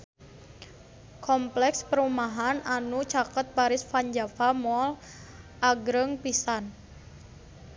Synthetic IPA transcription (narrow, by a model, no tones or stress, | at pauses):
kɔmplɛkspəɾumaɦananut͡ʃakət̪̚baɾɪsfaɲd͡ʒafamɔl | ʔaɡɾəŋpisan